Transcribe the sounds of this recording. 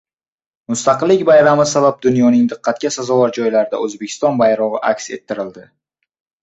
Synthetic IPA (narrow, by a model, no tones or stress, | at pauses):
mʊst̪ɑqɨlːɪkʲbajɾamɪsabap̚d̪ʊnjɒnɪŋd̪ɨqʰːɑt̪̚kʲasazɒlɒɾd͡ʒɒjlaɾɪd̪a̰ɵzbe̞kʰʲɪ̥st̪ɒnbajɾɒʁɨʔakʲse̞̰t̪ʰːɪɾɪld̪ɪ